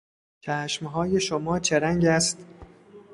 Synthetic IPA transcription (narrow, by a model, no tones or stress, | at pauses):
t͡ʃʰæːʃmɦɒːje̞ʃomɒːt͡ʃʰeɾæŋɟæst̪